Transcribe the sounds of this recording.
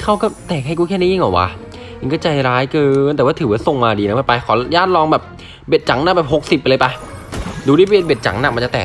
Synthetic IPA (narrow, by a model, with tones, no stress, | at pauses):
kʰa˥˩wkɔː˥˩t̪ɛː˨˩k̚ha˥˩jkuː˧˥˩kʰɛː˥˨ɛ˥˩ji˧˥˩ŋʔɔː˨˩kwa̰˦˥ | i˧˩ŋkɔː˥˩t͡ɕa˧jɾaː˦˥jkɤː˧nt̪ɛː˨˩waː˥˩t̪ʰɯː˨˦waː˧˥˩so˨˩ŋmaː˧diː˧na˦˥baː˧˩pa˧jkʰɔː˩˦ljaː˥˩t̪̚lɔː˧ŋbɛː˨˩p̚ | be˨˩t̪̚t͡ɕa˩˦ŋna˧˥˩bɛː˨˩p̚ho˨˩k̚si˨˩pːa˧lɤ˧jpa˧ | du˧ɾiː˥˩pa˧e˧nbe˨˩t̪̚t͡ɕa̰˩˦ŋna˧˩˨ma˧nt͡ɕa˨˩t̪ɛː˨˩k̚